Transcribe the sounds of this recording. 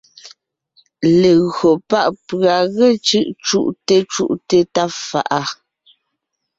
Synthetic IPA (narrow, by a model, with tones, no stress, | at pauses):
le˨ɣɰo˨pa˦ʔpɰa˨ɣe˦t͡ʃʉ˦˨ʔt͡ʃu˦˨ʔte˦t͡ʃṵ˦ʔte˦ta˦fa̰˨ʔa˦